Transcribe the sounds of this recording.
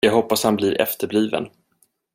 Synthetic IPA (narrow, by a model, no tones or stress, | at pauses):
jɑːɡɦɔpːashanblɪɾʔɛ̰ft̪əɾbliːvə̰n